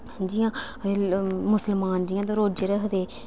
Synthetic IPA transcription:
d͡ʒijãː | mʊsəlmaːnd͡ʒɪjãːt̪̬õːɾoːd͡ʒɾəkʰd̪eː

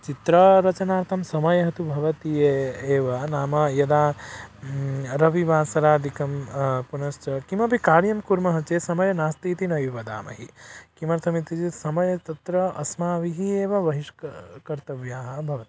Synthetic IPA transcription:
t͡ʃit̪ɾɐɾɐt͡ʃɐnaːɾt̪ʰɐmsɐmɐjɐɦɐt̪ubʱɐʋɐt̪ijeeːʋɐnaːmɐjɐd̪aː | ɾɐʋiʋaːsɐɾaːd̪ʱikɐmpunɐst͡ʃɐkimɐpikaːɽjɐmkuɾmɐɦɐt͡ʃeːsɐmɐjɐnaːst̪iːt̪inɐʋiʋɐd̪a̰ːmɐ̰ɦikimɐɾt̪ʰɐmit̪id͡ʒisɐmɐjɐt̪ɐt̪ɾɐɐsmaːʋiɦieːʋɐʋɐɦiʃkkɐɾt̪ɐʋjaːɦɐbʱɐʋɐt̪ii

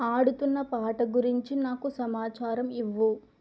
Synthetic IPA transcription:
aːɽut̪unːɐpaːʈɐɡuɾiɲt͡ʃinaːkusɐmaːt͡ʃaːɾɐmiʋːu

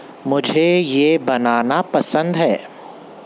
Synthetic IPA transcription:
mʊd͡ʒʱejebɐnaːnapɐsə̃nd̪ɦɛː

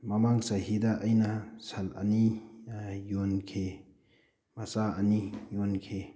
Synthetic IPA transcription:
mɐmaŋsɐɦidaʔːjnasɐlɐ̰ni | jonkʰe | mɐsaɐnijonkʰe

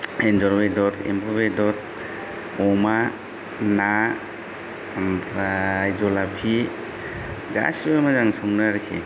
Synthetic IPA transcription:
enzɔɾbedɔɾḛmbʰɔβedɔɾ | ɔma | na | ɾajzɔlapʰi | ɡa̰sbemazaŋsɔŋnaɾekʰḛ

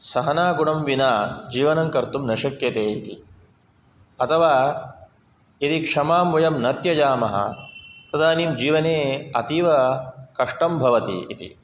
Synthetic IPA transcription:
sɐɦɐnaːɡuɳɐmʋinaːd͡ʒiːʋɐnɐŋkɐɾt̪umnɐʃɐkjɐt̪eːit̪ḭ | ɐt̪ʰɐʋaː | it̪ikʂɐmaːmʋɐjɐmnɐt̪jɐd͡ʒaːmɐɦɐ̰t̪ɐd̪ʱaːniːmd͡ʒiːʋɐneːɐt̪iːʋɐkɐʂʈɐmbʱɐʋɐt̪ḭːt̪ḭ

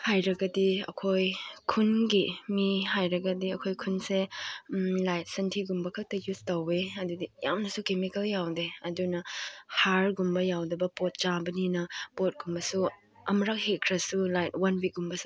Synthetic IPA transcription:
hajɾɐɡɐdiɐ̰kʰojkʰunɡimihajɾɐɡɐdiɐkʰojkʰunse | lajt̚sɐntʰiɡumbɐkʰɐk̚tɐjustɐweɐdudija̰mnɐsukemikɐljawdeɐdunɐhaɾɡumbɐjawdɐbɐpot̚t͡ʃabɐninɐpot̚ɡ̥umbɐsu | ɐmɾak̚hekʰɾɐsulajt̚wɐnbik̚ɡumbɐsu̥

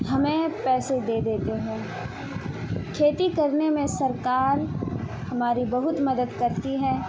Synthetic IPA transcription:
ɦɐmẽpɛːsed̪eːd̪eːt̪eɦɛ̃ː | kʰeːt̪ikɐɾnemẽsɐɾkaːɾ | hɐmaːɾibɐɦʊt̪mɐd̪əd̪kɐɾt̪iɦɛ̃ː

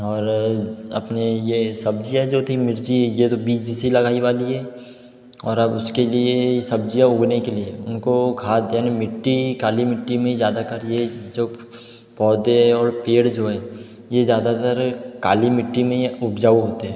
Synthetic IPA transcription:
ɔːɾɐ̰pnejesɐb̚d͡ʒijad͡ʒot̪ʰimɪɾd͡ʒijet̪obiːt͡ʃd͡ʒisilɐɡaːiʋaːliɦɛː | ɔːɾɐbʊskeliejesɐb̚d͡ʒijaʊɡnekelieʊnkoɡʰʱaːd̪jaːnimɪʈːikaːlimɪʈːimẽizjaːd̪akəɾjed͡ʒoː | pɔːd̪eɔːɾpeːɽd͡ʒoːɦɛː | jezjaːd̪at̪əɾkaːlimɪʈːimẽʊpd͡ʒaːuɦoːt̪eɦɛ̃ː

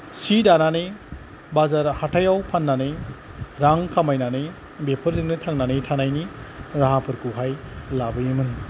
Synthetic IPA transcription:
sidanane | bazaɾhatʰajawpʰanːane | ɾaŋkʰamajnane | bepʰɯɾzɯŋnɯtʰaŋnanetʰanajniɾaɦapʰɯɾkuɦajlabɯjɯmɯn

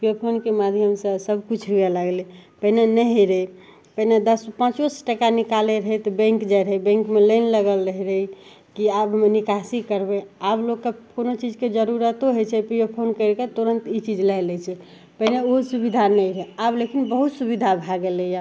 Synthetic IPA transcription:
pijopʰonkemad̪ʱjəmsəsəbʱkut͡ʃʰɦujaləɡlepəɦinenəɦiɾəi | pəɦined̪əspə̃t͡ʃosʈəkanikaleɾəɦɛt̪ɔbɛ̃ŋkd͡ʒajɾəɦɛbɛ̃ŋkmeləɪnləɡəlɾəɦiɾəɦi | kiabnikasikəɾbeablokːekonot͡ʃid͡ʒked͡ʒəɾuɾət̪oɦot͡ʃʰɛpijopʰonkəɪɾket̪oɾənt̪it͡ʃid͡ʒlajlɛt͡ʃʰɛ | pəɦineoɦsubid̪ʱanəiɾɛeablekinbəɦut̪subid̪ʱabʱaɡeleja

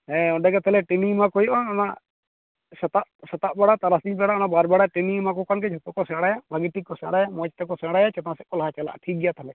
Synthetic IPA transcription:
ɦɛ̃ɔ̃ɖɛkɛt̪ʰɛlɛʈinimakɔjɔʔɔnɔna | sɛt̪aʔsɛt̪aʔbaɽat̪aɾasiɲbɛɽaɔnabaɾbaɽaʈinimak̬ɔkankɛd͡ʒʱɔt̪ɔkɔsɛ̃ɽajabʱaɡiʈikːɔsɛ̃ɽajamɔt͡ʃt̪ɛkɔsɛ̃ɽajat͡ʃɛt̪ãsɛkːɔlaɦat͡ʃala̰ʔʈʰik̚ɡɛjat̪ʰalɛ

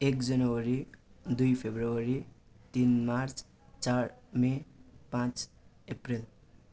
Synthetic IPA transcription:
ekd͡zʌnʌwʌɾid̪ujpʰebrowʌɾi | t̪inmart͡s | t͡saɾmepãt͡s | epril

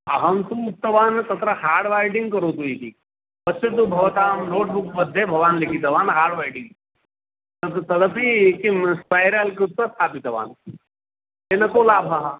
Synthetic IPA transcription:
ɐɦɐmt̪uup̚t̪ɐʋaːnt̪ɐt̪ɾɐɦaːɾɖʋaːɪɖĩŋɡkɐɾot̪uiʈʰḭk | pɐst͡ʃet̪̬ubʱɐʋɐt̪aːmnoːʈ̚bukbɐd̪ʱːebʱɐʋaːnlekit̪ɐʋaːnɦaːɾɖʋaːɪɖɪ̃ŋ | ɐt̪ɐd̪ɐpikimspaːjɾalkɾut̪ːɐt̪ʰaːpit̪ɐʋa̰ːn | eːnɐkoːlaːbʱɦaɦa

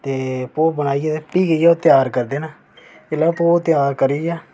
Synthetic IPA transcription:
t̪eːpoːbəñaːiːaːt̪eːpiːɡəiːjaːt̪jaːɾkəɾd̪eːnaː | ɪlapoːt̪ɪjaːɾkəɾiːaː

